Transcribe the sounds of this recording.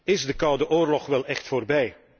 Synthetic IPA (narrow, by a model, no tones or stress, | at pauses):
ɪzdəkɑwdəʔoːrlɔχʋɛlˠɛχtfoːrbɛj